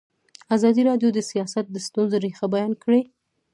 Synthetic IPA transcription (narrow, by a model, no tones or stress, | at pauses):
azɑd̪iɾɑɖjod̪əsijɑsat̪̚d̪əst̪unzoɾexabajɑnkɽe